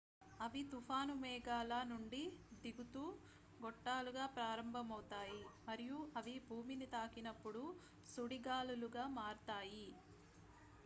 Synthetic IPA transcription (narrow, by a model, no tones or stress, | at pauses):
ɐʋit̪upʰaːnumɛːɡaːlaːnuɳɖid̪iɡut̪uː | ɡɔʈːaːluɡaːpɾaːɾɐmbʱɐmɐwt̪aːjimɐɾijuɐʋibʱuːminit̪aːkinɐpːuɽu | suɽiɡaːluluɡaːmaːɾt̪aːji